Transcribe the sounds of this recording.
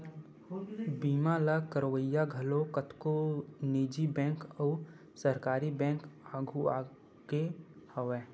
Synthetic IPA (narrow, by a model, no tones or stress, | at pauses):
biːmaləkəɾwəjaɡʱɐlokət̪koneːd͡ʒibɛ̃ːŋkəː | səɾkaːɾibɛ̃ːŋkaːɡʱuaː | ɡehəʋɛ̃ː